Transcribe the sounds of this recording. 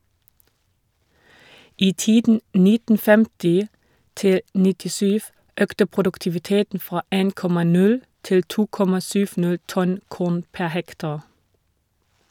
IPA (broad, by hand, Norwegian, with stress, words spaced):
ˈiː ˈtiːdn̩ ˈnɪtn̩ ˈfɛmtɪ ˈtɪl nɪtɪˈsyːʋ ˈøːktə pʁʊdʉktɪʋɪˈteːtn̩ ˈfʁɑː ˈeːn ˈkɔmɑ ˈnʉl ˈtɪl ˈtuː ˈkɔmɑ ˈsʏʋ ˈnæl ˈtɔn ˈkuːn ˈpæ ˈhɛktɑʁ